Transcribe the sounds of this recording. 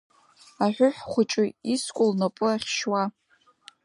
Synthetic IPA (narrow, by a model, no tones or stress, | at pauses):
aħʷʊħʷᶣχʷʊt͡ʃʼɪiskʷʼʊlnapʼʊaχʲʃwa